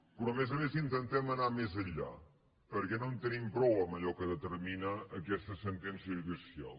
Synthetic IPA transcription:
pɾɔmezəmezint̪ənt̪ɛmənamezəʎa̰ | pəɾkɛnont̪ənimpɾɔwəməʎɔkəðət̪əɾminəːkɛst̪əsənt̪ɛnsjəiɾðisia̰lˠ

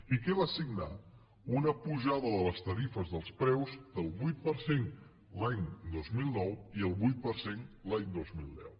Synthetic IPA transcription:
ikɛβasiɡna̰ | unəpuʒaðəðələst̪əɾifəzðəlˠspɾɛwzd̪əlˠβujt̪̚pəɾsen | laɲd̪ozmilˠnɔwiəlˠβujt̪̚pəɾsenlaɲd̪ozmilˠd̪ɛw

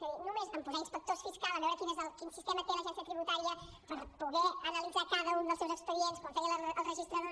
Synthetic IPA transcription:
səinumezβampuzɛinspək̚t̪osfiskalˠəβɛwɾəkinezðəlˠkinsist̪emət̪elˠəʒɛnsjət̪ɾiβut̪aɾiə | pəɾpuɣɛənəlid̪d͡zakaðəund̪əlˠsewzəkspəðienskwãɱfeɣləlˠrəʒist̪ɾə

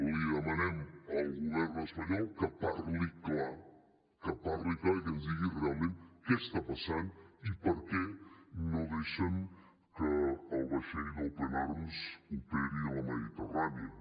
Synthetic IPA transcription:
liəmanɛməlɣuβɛrnəspaɲɔlkəpaɾlikla | kəpaɾliklaikənzd̪iɣirealˠmẽnt̪kest̪apasanipəɾkɛnoðeʃən | kəːlβaʃenowplenaɾmuzupeɾiəlɐməðit̪əraniə

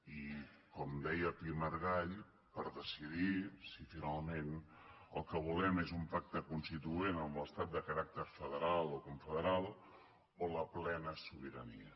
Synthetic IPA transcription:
ikɔmd̪ɛjəpiməɾɣaʎ | pəɾðəsiðisifinalˠmen | əlˠkəβ̞ulɛmezumpak̚t̪əkunst̪it̪uenəmlˠəst̪at̪̚d̪əkəɾak̚t̪əɾfəðəɾalˠokuɱfəðəɾalˠ | oləplɛnəsuβ̞iɾəniə

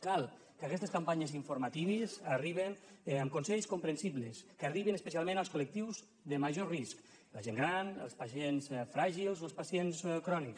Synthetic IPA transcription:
kalˠ | kakɛst̪eskampaɲeziɱfuɾmat̪iβezariβenəmkunsɛʎskumpɾənsiβleskariβinəspəs̬ialˠmẽnalˠskulək̚t̪iwz | ðəmaʒorisk | laʒeŋɡɾanə̰lˠspaʃensfɾaʒilˠzoəlspasienskɾɔniks

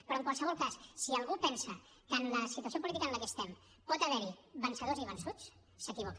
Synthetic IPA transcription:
pɾɔəŋkwalˠsəβɔlˠkassiəlˠɣupɛnsə | kənləsit̪uəsiop̬ulit̪ikənləkəːst̪ɛm | pɔt̪əβɛɾiβənsəðoziβənsut͡s | səkiβ̞ɔk

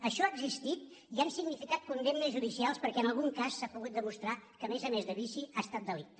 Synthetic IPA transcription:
əʃɔaːəɡzist̪it̪̚ | iansiɡnifikat̪̚kund̪ennəzʒuðisialˠspəɾkɛənəlˠɣuŋkasːapuɣut̪̚d̪əmust̪ɾakəmezəmezðəβisiast̪at̪̚d̪əlikt̪

